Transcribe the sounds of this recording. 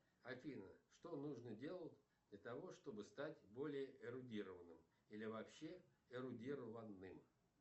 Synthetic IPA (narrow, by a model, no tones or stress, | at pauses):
ɐfʲinəʂt̪onuʐnədʲe̞lˠətʲ | d̪lʲət̪ɐvo̞ʂt̪o̞bɨst̪atʲbo̞lʲɪjəʔɪɾʊdʲiɾəvənːɨm | ilʲɪvɐpɕːeɪɾʊdʲiɾəvənːɨm